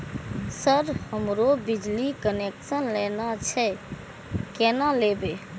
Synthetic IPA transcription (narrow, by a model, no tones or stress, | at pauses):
səɾhəmɾobid͡ʒlikəneksənlenat͡ʃʰɛ | kenalebe